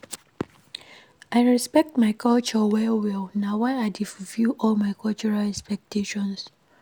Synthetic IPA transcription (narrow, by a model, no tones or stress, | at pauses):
aɪɹɛspɛk̚tmaɪkʰɔlt͡ʃɔwɛwilnawaɪaɪdifvjuʔɔlmaɪkɔlt͡ʃuɹalɛkspɛk̚tʰeʃɔ̃ns